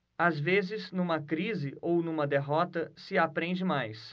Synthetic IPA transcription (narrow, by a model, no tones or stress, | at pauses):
azvezɪznũmɐkɾizɪownũmɐd̪eɦɔt̪ɐsɪapɾẽnd͡ʒɪmajs